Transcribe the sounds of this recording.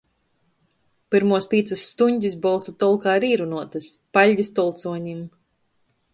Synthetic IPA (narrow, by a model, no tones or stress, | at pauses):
piɾmuɔspʲiːt̪sɐsːt̪uɲʲd̪ʲis̬bɔlˠt̪sat̪ɔlˠkaːɾiːɾunuɔt̪ɐspaʎʲɟʲist̪ɔlˠt̪suɔɲim